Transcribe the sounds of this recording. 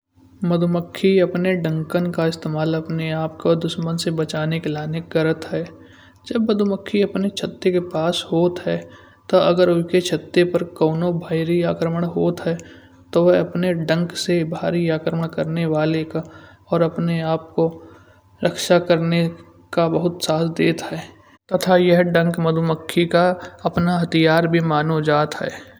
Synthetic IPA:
mɐd̪ʱʊməkʰːiɐpneɖə̃ŋkənkaɪst̪eːmaːlɐpneaːp̚kod̪ʊʃmənsebɐt͡ʃaːnekelaːneɡɐɾət̪ɦɛː | d͡ʒɐbːɐd̪ʱʊməkʰːiɐpnet͡ʃʰɐt̪ːekepaːshoːt̪ɦɛː | t̪oɐɡəɾʊket͡ʃʰɐt̪ːepɐɾkɔːnobʱaːiɾiaːkɾəməɽ̃ɦoːt̪ɦɛː | t̪oʋɛɦɐpneɖə̃ŋksebʱaːɾiaːkɾəməɽkɐɾneʋaːleka | ɔːɾɐpneaːp̚ko | ɾəkʃakɐɾne | kabɐɦʊt̪saːt̪ʰd̪eːt̪ɦɛː | t̪ɐt̪ʰajɛɦɖɐ̃ŋkmɐd̪ʱʊməkʰːikaɐpnaɦɐt̪ʰijaːɾbʱimaːnod͡ʒaːt̪ɦɛ̰ː

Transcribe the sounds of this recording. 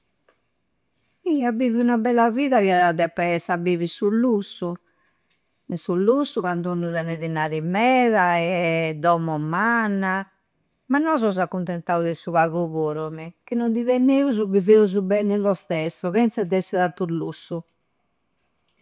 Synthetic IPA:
iabiviunabɛlːaviːðaβiaðad̪ɛpːɛɛsabiːvisulusːu | nɛsulːusːuɣand̪uunːuðɛnɛðinaɾimɛːɾaɛd̪ɔmːɔmanːa | manːɔzɔzakːunt̪ɛnt̪auðɛsuβaɣuβoːɾɔmik̟inːɔnd̪iðɛnːeːuzuβiveuzubɛnɛlɔst̪ɛsːɔɣɛnt̪sɛd̪ɛsːɛðat̪ulusːu

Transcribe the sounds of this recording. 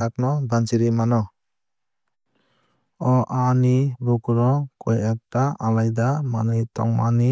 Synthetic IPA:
ak̚nɔbansiɾimanɔ | ɔʔanibukɾɔkʰɔjak̚taalajd̪amanitɔ̰ŋma̰ni

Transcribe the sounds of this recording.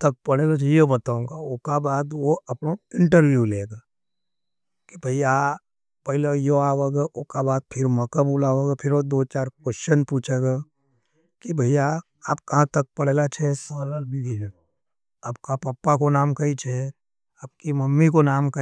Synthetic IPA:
t̪ɐk̚pɐɽeːlot͡ʃɛjobɐt̪aũɡaokabaːd̪ʋoɐpnoɪ̃ɳʈəɾʋjuleːɡaː | kibʱɐija | pɐɪlejoaːʋeɡeʊkabaːd̪̚pʰɪɾmɐkəbulaːoɡɛpʰɪɾod̪oːt͡ʃaːɾkwɛst͡ʃənpuːt͡ʃʰeɡa | kibʱɐɪja | aːp̚kɐɦãt̪ɐk̚pɐɽ̤eːlat͡ʃʰɛsɔːləlbiɡi | aːpkapɐpːakonaːmkɐit͡ʃʰɛ | aːp̚kimɐmːikonaːmkɐ

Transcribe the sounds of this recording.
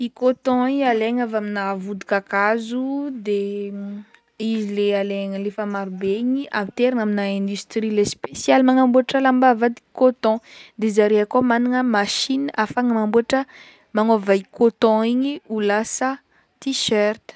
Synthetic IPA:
ikot̪ɔ̃ialeɲavaminavud̪ukakazud̪e | izilealeŋəlefamaɾibeɲiʔa̰mit̪eɾaŋaminaɛ̃nd̪yst̪ɾilespesialimaŋambuaʈ͡ʂəlambavad̪i̥kot̪ɔ̃d̪ezaɾeakomanaŋəmaʃinafaŋəmambuaʈ͡ʂə | maŋovaikʰot̪ɔ̃iɲiulasə | t̪iʃɛrt̪

